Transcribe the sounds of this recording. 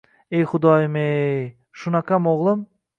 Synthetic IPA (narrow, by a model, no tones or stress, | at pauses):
ejχʊd̪ɑjmej | ʃunakamoʁlˠɨm